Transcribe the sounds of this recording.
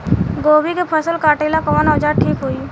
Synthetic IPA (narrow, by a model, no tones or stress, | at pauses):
ɡoːbikepʰəsəlkaːʈeːlakəənɦəd͡ʒaːɾʈʰiːkɦoiː